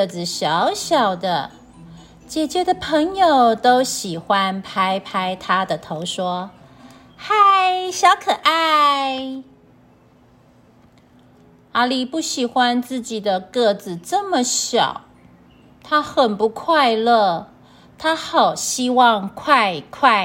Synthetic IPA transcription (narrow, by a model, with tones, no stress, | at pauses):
d͡zɹ̩˨˩ɕjɑ˧˥˦ʊɕjɑ˨˩ʊd̪ə˦ | t͡ɕjɛ˨˩t͡ɕɥɛ˧˥d̪ə˧pʰə˧˥ŋjo˨˩ʊt̪o˥ʊɕi˨˩xwa˦˥npʰa˥ɪpʰa˥ɪt̪ʰa˥d̪ə˨t̪ʰo˧˥ʊʂwɔ˥ | xa˥˧ɪɕjɑ˧˥ʊkʰɤ˨˩ʔa˥˧ɪ | a˥li˨˩pu˥˩ɕi˨˩xwa˦nt͡sɹ̩˥˩t͡ɕi˨˩d̪ə˦kɤ˥˩d͡zɹ̩˨ʈ͡ʂɤ˥˩mə˨ɕjɑ̰˨˩˦ʊ | t̪ʰa˥xə˨˩npu˧˦kʰwa˥˧ɪlɤ˥˩ | t̪ʰa˥xɑ˨˩ʊɕi˥wɑ˥˧ŋkʰwa˥˧ɪkʰwa˥˩